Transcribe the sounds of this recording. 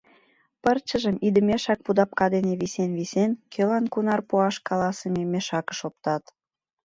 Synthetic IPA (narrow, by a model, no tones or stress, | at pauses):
pərt͡ɕəʒəmid̪əmeʃɑk̚pud̪ɑp̚kɑd̪eneβisenβisenkʰølɑnkunɑrpuɑʃkɑlɑsememeʃɑkə̥ʃop̚t̪ɑt̪